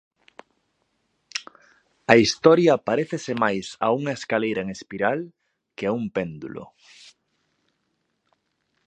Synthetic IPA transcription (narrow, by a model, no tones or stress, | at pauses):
ɐist̪ɔɾjɐpaɾeθesɪmajsa̰uŋɐeskalejɾɐeŋespiɾal | keaumpend̪ṵlo̰